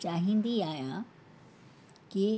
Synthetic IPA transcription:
t͡ɕaːɦĩnd̪iaːjã | ki

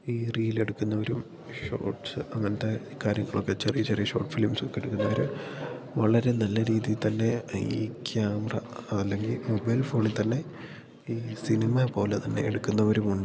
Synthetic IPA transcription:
iːriːile̞ɽukːunːɐʋɐɾum | ʂo̞̰ːʈsɨɐŋːɐnɐt̪ːe | kaːɾjɐŋːɐɭo̞kːe̞t͡ɕerijɐt͡ɕerijɐɕo̞̰ːʈfilmsokːeɽukːunːɐʋɐɾu | ʋɐɭɐɾe̞nɐlːɐɾiːðijilt̪ɐnːe̞iːkjaːmɐrɐ̰ɐlːe̞ŋɡilmobɐjlfo̞ːɳilt̪ɐnːe̞ | iːsinimɐpo̞ːlet̪ɐnːe̞̰eɽukːunːɐʋɐɾumuɳɖɨ

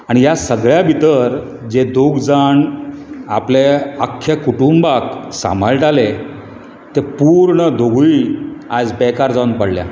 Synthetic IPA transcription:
aɽijasəɡɭjabʱit̪əɾ | d͡ʑed̪ʱoɡd͡zaɳ | apleakʰːekuʈumbaksa̰məlʈale | t̪epuɾɳəd̪ʱoɡuiad͡zbɛkaɾd͡zaunpəɽlja̰

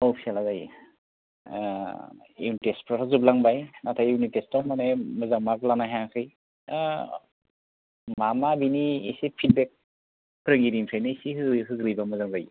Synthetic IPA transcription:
owpʰialazaj | juwnitespʰɾaɾʰazub̚laŋbajnatʰajunitestɔmanemɯzaŋmaklanaɦaŋkʰɯj | mamabiniesepʰit̚bek̚ | pɾɯŋɡiɾimpʰɾajnɯsiɦɯɦɯɡɾijbamɯzaŋbɯj

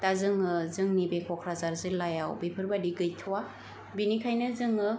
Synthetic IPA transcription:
tazɯŋɯzɯŋnibekʰɔkʰɾazaɾzɯlːajawbepʰɯɾbadiɡɯjtʰɯwa | binikʰajnɯzɯŋɯ

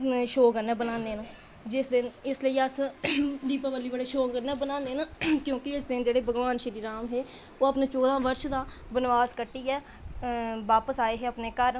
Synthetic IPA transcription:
ʃoːkənɛ̃ːbənaːneːnãː | d͡ʒɪsd̪ɪnɪsləiːəsd̪iːpabəlːiːbəɽeːʃoːkəɾnɛ̃ːbənaːneːnãːkjõːkɪɪsd̪ɪnd͡ʒeːɽeːbəɡʋaːnʃɪɾiːɾaːmɦeːoːəpneːt͡ʃoːd̪ãːʋəɾʃd̪aːbənʋaːzkəʈːiːɛː | ʋaːpəsaːeːɦeːəpneːkəɾ

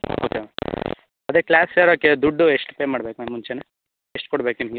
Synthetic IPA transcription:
oːke | ɐd̪eklaːseɾoːked̪uɖːueʂʈpeːmaːɽbekunenmunt͡ʃene | eʂʈ̚kɔɽbekinŋɡ

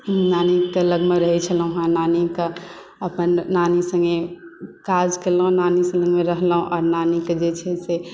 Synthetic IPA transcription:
nanikeləɡmeɾəɦɛt͡ʃʰəlɦũɦãnanika | əpənːanisə̃ŋɡekad͡ʒkelɦũnaniseləɡmeɾəɦləɦũʔɔɾnaniked͡ʒet͡ʃʰɛse

